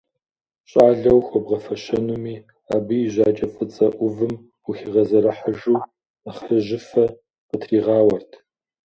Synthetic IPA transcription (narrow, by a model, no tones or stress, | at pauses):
ɕʼaːɮɐwxʷɔbʁɐfɐɕɐnumiː | a̰ːbɨjɪʑʷaːt͡ʃʼɐfʼɨt͡sʼɐʔʷʊvɨm | uxiʁɐzɐɾɐħəʒuː | aχəʒɪfɐ | qətʰriːʁɑːwɐrtʰ